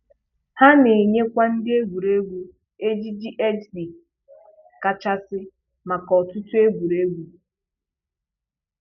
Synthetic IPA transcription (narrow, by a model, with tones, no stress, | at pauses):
ha˦ne˨ɲe˦kʷa˦n̩˦dɪ˦e˦ɡʷu˨ɾe˦ɡʷu˦ | e˦d͡ʒi˦d͡ʒi˦ʔe˦d͡ʒbi˨ | ka˦t͡ʃa˦sɪ˦ | ma˨kɔ˨tʊ˦tu˦e˦ɡʷu˨ɾe˦ɡʷu˦